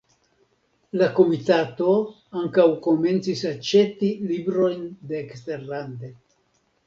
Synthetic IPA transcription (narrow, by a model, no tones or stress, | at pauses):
lako̞mitato̞ | aŋkawko̞me̞nt͡sisat͡ʃe̞tilibɾo̞jndeːkste̞ɾlande̞